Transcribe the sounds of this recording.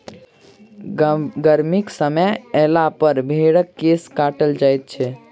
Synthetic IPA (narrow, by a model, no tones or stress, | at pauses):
ɡəɾmiksəməɛlapəɾbʱeɽəkːeskaʈəld͡ʒajt̪̚t͡ʃʰɛ